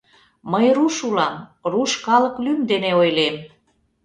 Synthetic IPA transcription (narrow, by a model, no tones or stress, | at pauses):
məjruʃulɑmruʃkɑlə̆klymd̪eneojlem